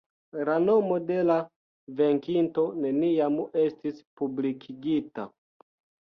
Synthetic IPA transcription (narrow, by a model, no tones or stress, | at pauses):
lano̞mo̞de̞la | ve̞ŋkinto̞ne̞niame̞stispublikʰiɡita̰